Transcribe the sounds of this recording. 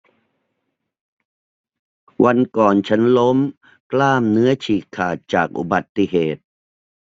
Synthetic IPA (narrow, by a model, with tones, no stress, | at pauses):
wʔa˧nkɔː˨˩nt͡ɕʰa˦˥nlo˦˥m | klaː˥˩mnɯ˦˥ɐt͡ɕʰiː˨˩kʰːaː˨˩t̪̚t͡ɕaː˨˩k̚ʔṵ˨˧˩ba˨˩t̪ːi˧ɦeː˨˩t̪̚